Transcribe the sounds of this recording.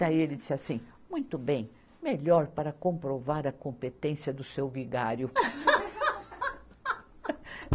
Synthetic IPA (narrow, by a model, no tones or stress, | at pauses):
aielɪd͡ʒisɪasĩmũj̃t̪ʊbẽj̃ | meʎɔɾpaɾɐkõpɾovaɾɐkõmpet̪ẽsjɐd̪ʊsewviɡaɾjʊ